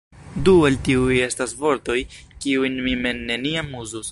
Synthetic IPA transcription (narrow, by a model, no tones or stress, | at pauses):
dualtiuje̞stasvo̞ɾto̞jkiujnmime̞nːe̞niamuzus